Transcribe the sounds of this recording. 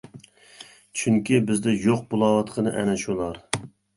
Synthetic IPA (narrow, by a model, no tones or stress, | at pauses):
t͡ʃʰyŋkʲibɪzd̪ɛjoq̚bolˠɑwɑt̪qʰənɨʔɛ̰nɛʃulˠɑɾ